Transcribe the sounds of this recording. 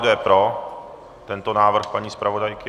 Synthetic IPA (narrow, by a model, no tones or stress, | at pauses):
dɛpɾo | t̪ɛnt̪onaːvr̩xpaɲiːspɾavo̞dajkɪ